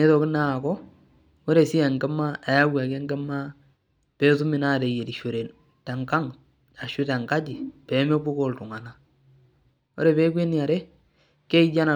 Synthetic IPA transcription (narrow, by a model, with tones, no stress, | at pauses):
ne˦ðo˨kɪ˦na˦˨kɔ˦ | o˦ɾe˨si˦e˨ŋɡe˦ma˦a˨ja˦wa˨ke˦ŋɡe˦ma˦ | pe˦tu˦mɪ˨na˦˨de˨je˨di˨ʃo˨ɾe˨n | ta˨ŋka˦ŋ | a˨ʃu˦ta˨ŋka˦d͡ʒi˨pe˨˦me˦bu˦ko˨ltu˨ŋa˨na˦ | o̰˦ɾe˨βe˦kwe˦ni˦a˨ɾe˦ | ke˦i˦d͡ʒa˦na˨